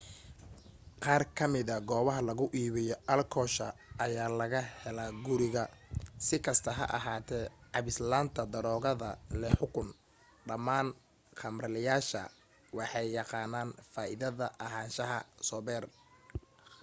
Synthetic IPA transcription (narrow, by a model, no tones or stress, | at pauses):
qɑːrkʰɐmɪðɐɡɔːβɐɦɐlɐɣʊʔiːβɪjɔʔɐlkʰɔːʃɐɐjaːlɐɣɐhɛlaːɡʊɾɪɣɐsɪkʰɐst̪ʰɐɦɐ̰ʔɐ̰ɦaːt̪ʰɛːʕɑβɪslaːnt̪ʰɐd̪ɐɾɔːɣɐðɐlɛħʊkʰʊn | ɖɐmaːn | qɑmrɐlɪjaːʃɐ̰ | wɑħɑjːɑqɑːnaːnfaːʔɪðɐðɐʔɐɦaːnʃɐɦɐsɔːβɛːr